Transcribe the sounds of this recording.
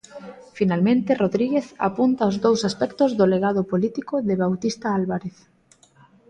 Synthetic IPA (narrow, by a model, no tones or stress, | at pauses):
finalmẽnt̪ɪroðɾiɣeθa̰punt̪aozðowsaspɛkt̪ʊzðʊleɣað̞ʊpolit̪ikoðɪβawt̪ist̪aalβaɾeθ